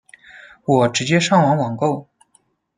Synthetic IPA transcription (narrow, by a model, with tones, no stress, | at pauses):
wɔ˨˩ʈ͡ʂɻ̩˧˥t͡ɕjɛ˥ʂɑ˥˩ŋwɑ˧˥ŋwɑ˨˩ŋko˥˩ʊ